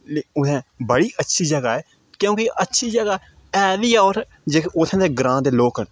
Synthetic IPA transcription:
leʊt̪ʰɛ̃ːbəɽiːʔətːʃʰiːd͡ʒəɡaːɛː | kjõːkɪʔətːʃʰiːd͡ʒəɡaː | ɛːʋiːoːɾ | d͡ʒeːkʊt̪ʰɛ̃ːd̪eːɡɾãːd̪eːloːkən

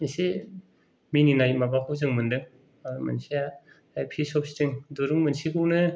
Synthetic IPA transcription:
ise | mininajmabakʰɯzɯŋmɯndɯŋ | amɯnsija | ajpʰisɔp̚stiŋdoɾɯŋmɯnsikʰɯwnɯ

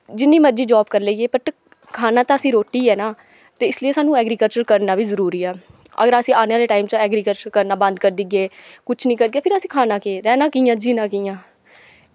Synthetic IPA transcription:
d͡ʒɪnːĩːməɾd͡ʒiːd͡ʒaːbkəɾləiːeːpəʈ | kʰaːnaːt̪ãːəsĩːɾoːʈːiːɛːnaː | t̪eːɪslijeːsaːnũːɛːɡɾiːkəlt͡ʃəɾkəɾnaːʋiːzəɾuːɾiːɛː | ə̰ɡəɾəsĩːaːnaːleːʈaːimt͡ʃɛːɡɾiːkəlt͡ʃəɾkəɾnaːbə̃nd̪kəɾd̪iɡeːkʊt͡ʃʰnĩːkəɾɡeːpʰɪɾəsĩːkʰaːnãːkeːɾɛːnãːkiːjãːd͡ʒiːnãːkiːãː

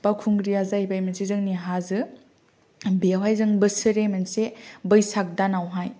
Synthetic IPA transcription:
pakʰuŋɡɾiazajbajmensizɯŋniɦazɯ | biawajzɯŋbɯsɯɾemensebɯjsak̚danawɦaj

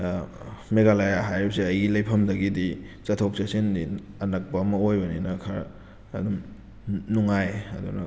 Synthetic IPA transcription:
meɡalajaɦajɾipsiɐjɡilɐjpʰɐmdɐɡidi | t͡ʃɐtʰok̚t͡ʃɐsindi | ɐnɐk̚pɐːmɐojbɐninɐkʰaɾ | ɐdum | nuŋajɐdunɐ̰

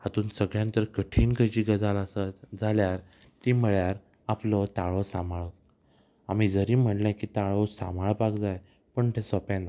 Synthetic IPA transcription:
hat̪uːnsəɡɭjãnt̪əɾkəʈʰiːnkət͡ɕiːɡəd͡zalasəd͡zʱaljaɾt̪iməɭjaɾ | aplɔt̪aɭɔsamaɭɔ | amiːd͡zəɾiːm̤əʈlɛ̃kiːt̪aɭɔsa̰maɭpakd͡zaj | pəɳt̪ʰesɔpãna

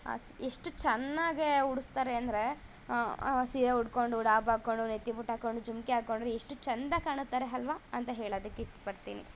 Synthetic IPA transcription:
a̰seʂʈut͡ʃɐnːaːɡeuɽust̪aːɾeɐnd̪ɾe̞ | siɾeuɽko̞ɳɖuːɽaːbaːkoɳɖunet̪ːipuʈaːko̞ɳɖud͡ʒumkeaːko̞ɳɖɾeiʂʈut͡ʃɐnd̪ɐkaːɳut̪ːaːɾeɦɐlʋaɐnt̪ɐɦeːɭoːd̪ɐkːeisʂʈɐ̥pɐɽt̪ḭːnḭ

